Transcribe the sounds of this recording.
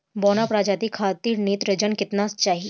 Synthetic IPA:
bɔːnapɾaːd͡ʒaːt̪ikʰaːt̪iːɾneːt̪ɾɐd͡ʒənkɪt̪nast͡ʃaːɦi

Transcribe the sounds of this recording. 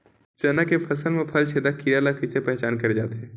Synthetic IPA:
t͡ʃɐnakepʰɐsəlmẽpʰɐlt͡ʃʰeːd̪akiɾaːlakɪsepɛɦt͡ʃaːnkɐɾd͡ʒaːt̪eɦɛ̃ː

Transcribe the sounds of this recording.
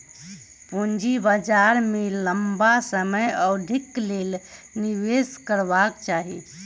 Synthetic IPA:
pond͡ʒibad͡ʒaɾmeləmbasəməjɔɖʱiklel | niʋeskəɾbakt͡ʃaɦi

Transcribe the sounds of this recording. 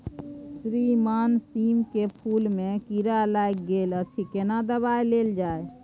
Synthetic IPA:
sɾimansimkepʰulmekiɾalajk̚ɡelət͡ʃʰikenad̪əβajleld͡ʒae

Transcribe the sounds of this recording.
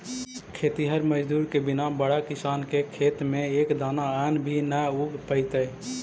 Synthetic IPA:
kʰeːt̪iɦəɾməd͡ʒd̪uːɾkebɪnabəɽakɪsaːnkekʰeːt̪mẽeːkd̪aːnaɛnbʱinəuɡpəɪt̪ə

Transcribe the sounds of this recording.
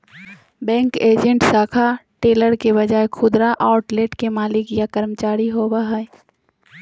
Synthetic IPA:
bɛ̃ːŋkeːd͡ʒə̃ɳʈsaːkʰaʈeːləɾkeβɐd͡ʒaːekʰʊd̪ɾaʔaːʊʈleːʈkemaːlɪkjakəɾmət͡ʃaːɾiɦoːbaɦɛ

